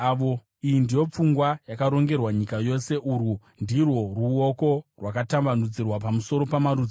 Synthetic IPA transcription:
aʋo̞ | ijindijo̞p͡fuŋɡwajakaɾo̞ŋɡe̞rwaɲikajo̞se̞ʔuːru | ndirwo̞ruoko̞rwakatambanud͡zirwapamuso̞ɾo̞pamaɾud͡z

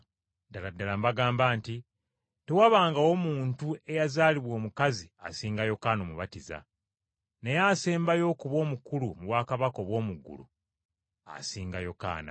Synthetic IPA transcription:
daladːalambaɡaːmbaːnti | tewaβaːŋɡao̞muːntue̞jazaːliβwo̞ːmukazia̰siːŋɡajo̞kaːnomuβatiza̰ | ne̞jaseːmbajo̞ːkuβo̞ːmukulumuβwaːkaβako̞βwo̞ːmuɡːṵlṵ | a̰siːŋɡajo̞ka̰ːna̰

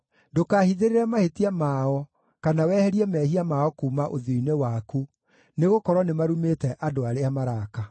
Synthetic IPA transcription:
dokaːhiðeɾeɾɛmahetiamaɔ | kanawɛːhɛɾiɛmɛːhiamaɔkuːmaʔoðoinewaku | neɣokɔɾwɔnemaɾumetɛʔadoaɾeamaɾaːka

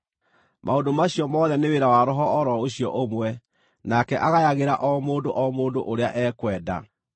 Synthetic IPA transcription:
mʔaondomaɕiɔmɔðɛneweɾawaɾɔɦɔːɾɔoɕiɔʔomwɛ | nakɛʔaɣajaɣeɾaʔɔmoːndoʔɔmoːndoʔoɾeaʔɛkwɛːda̰

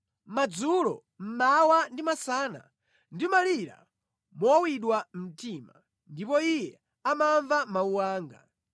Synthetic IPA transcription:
mad͡zulɔ̰ | m̩mawandimasaːna̰ | ndimaliɾa̰ | mɔwiɗwam̩tʰima̰ | ndipɔijɛ | amaɱvamauwaːŋɡa̰

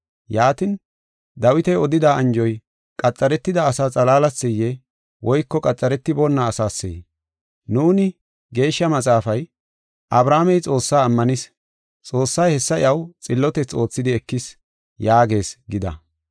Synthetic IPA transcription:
jaːt̪ɪn | d̪ɐwɪt̪ɛjɔd̪ɪd̪aɐnd͡ʒɔj | kʼɐt͡sʼːɐɾɛt̪ːɪd̪ɐːsaːt͡sʼɐlaːlɐsːɛjːɛ | wʔɔjkːɔkʼɐt͡sʼːɐɾɛt̪ːɪbɔnːɐːsaːsːɛ̰j | nuːnɪ | ɡe̞ːʃːɐmɐt͡sʼaːfɐj | ʔɐbɾaːmɛjt͡sʼo̞ːsːaːmːɐnɪs | t͡sʼo̞ːsːɐjhɛsːɐɪ̰ʔɐwt͡sʼɪlːɔt̪ɛt͡sːo̞ːt͡sːɪd̪ɪɛkːɪs | jaːɡe̞ːsɡɪd̪ɐ̰

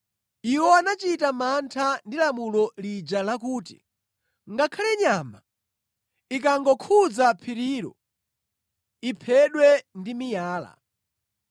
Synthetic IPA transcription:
iwɔanat͡ʃitamantʰandilamulɔlid͡ʒalakuːtḭ | ŋɡakʰalɛɲaːma | ik̬aŋɡɔkʰud͡zapʰiɾiɾɔ̰ | ipʰɛɗwɛndimijaːla̰

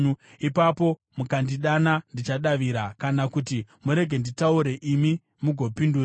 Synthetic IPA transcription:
ipapo̞ | mukandiɗanandit͡ʃaɗaʋiɾakanakutimuɾe̞ɡʱe̞nditauɾe̞ʔimi | muɡʱopinduːra

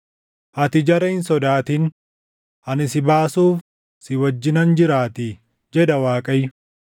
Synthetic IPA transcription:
ʔɐt̪ɪd͡ʒɐɾɐhɪnsɔd̪aːt̪ɪn | ʔɐnɪsɪbaːsuːf | sɪwɐd͡ʒːɪnɐnd͡ʒɪɾaːt̪ɪ | d͡ʒɛd̪ɐwaːkʼɐjʊ

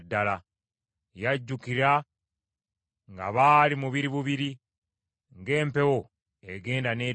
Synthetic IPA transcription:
dːala | jaɟːukiɾa | ŋɡa̰βaːlimuβiɾiβuβiɾi | ŋɡe̞ːmpe̞wo | eɡe̞ːndane̞ː

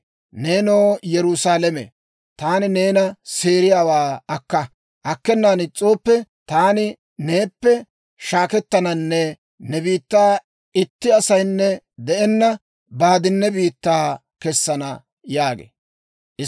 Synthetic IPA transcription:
neːno̞ːjɛɾʊsaːlɛmḛ | t̪aːnɪne̞ːnɐse̞ːɾɪjaːwaːɐkːɐ | ʔɐkːɛnːaːnɪt͡sʼːo̞ːpːɛt̪aːnɪ | neːpːɛ | ʃaːkɛt̪ːɐnɐnːɛ | nɛbiːt̪ːaː | ɪt̪ːɪɐsɐjnːɛ | d̪ɛʔɛnːɐ | baːd̪ɪnːɛbiːt̪ːaː | kɛsːɐnɐ | jaːɡḛ | ʔɪ

